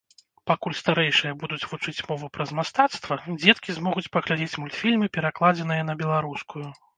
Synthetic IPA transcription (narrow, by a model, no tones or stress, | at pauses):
pakulʲst̪aɾɛjʂɨjɐbud̪ut͡sʲvut͡ʂɨt͡sʲmɔvɨpɾɐzmast̪at̪st̪vɐd͡zʲɛt̪kʲizmɔɣut͡sʲpɐɣlʲad͡zʲɛt͡sʲmulʲt̪fʲilʲmɨpʲɛɾaklˠad͡zʲɛnɨjɐn̪ɐbʲɛlˠaɾuskuju